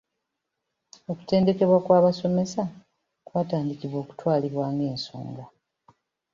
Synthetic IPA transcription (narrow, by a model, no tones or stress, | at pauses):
o̞ku̥te̞ːnde̞ke̞βwakwaːβaso̞me̞sa | kwaːtaːndikiβwo̞ːku̥twaːliβwaːŋɡe̞ːnso̰ːŋɡa